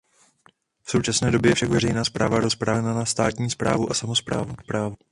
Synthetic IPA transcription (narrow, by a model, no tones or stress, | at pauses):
fso̞wt͡ʃasnɛːdo̞bjɛjɛfʃakvɛrɛjnaːspɾa̰ːvaɾo̞spɾaːnanast̪aːt̪ɲiːspɾa̰ːvuʔasamo̞spɾaːvupɾaːvu